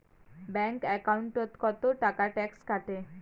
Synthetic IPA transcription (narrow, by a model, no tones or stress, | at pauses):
bɛŋkɛkauɳʈot̪kɔt̪oʈakaʈɛkskaʈe